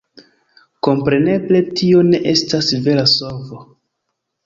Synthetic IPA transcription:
ko̞mpɾe̞ne̞ble̞tio̞ne̞ʔe̞stasve̞lasovo

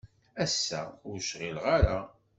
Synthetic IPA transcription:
æsːæ̰ʊɾʃʁilʁaɾa

